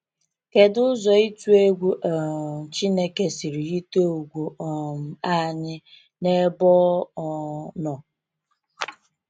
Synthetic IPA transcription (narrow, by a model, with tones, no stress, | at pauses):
ke˨dʊ˦zɔ˨i˦tu˦e˦ɡʷu˦ʔɔ˨t͡ʃi˦ne˦ke˦si˨ɾi˨i˦to˦u˨ɡʷu˨ɔ˨m̩˨a˦ɲɪ˦ | ne˦bɔ˦ | nɔ˨